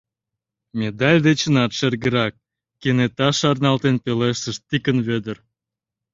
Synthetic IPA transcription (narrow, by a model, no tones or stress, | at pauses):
mʲed̪ɑlʲd̪et͡ɕə̆nɑt̪ʃerɣə̆ɾɑk̚ː | enet̪ɑʃɑrnɑlt̪enpʲeleʃt̪ə̆ʃt̪ikənβød̪ə̆r